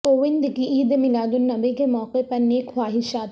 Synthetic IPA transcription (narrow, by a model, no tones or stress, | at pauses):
oːʋɪnd̪kiʔiːd̪mɪlaːd̪ʊnːɐbekemɔːqepɐɾneːkʰʋaːɦɪʃaːt̪